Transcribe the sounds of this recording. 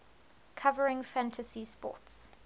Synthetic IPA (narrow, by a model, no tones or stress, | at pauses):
kʰavəɹɪ̃ŋfæ̃ntʰəsispɔ̰ˑts